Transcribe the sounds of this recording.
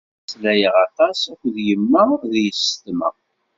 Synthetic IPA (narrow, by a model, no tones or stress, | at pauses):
slæjəʁɑt̪ɑsækʷðjəmːəðjəst̪mə̰